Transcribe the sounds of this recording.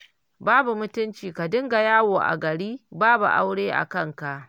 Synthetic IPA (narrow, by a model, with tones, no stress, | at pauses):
baː˦bu˨mʊ˦tʊ˦nt͡ʃiː˨ka˨dɪ˦ŋɡa˨jaː˦woː˨ʔa̰˨ɡɐ˨ɽiː˦baː˦bṵ˨ʔa̰˦wɽeː˦ʔa̰˨kɐ˦˨ŋka˨ʔ